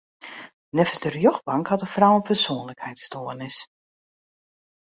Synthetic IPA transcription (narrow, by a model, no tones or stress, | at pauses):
nɛfəsdərjɔxbɑŋkhɑtəfrawənpərsoːənləkhɛjtstoːərnɪs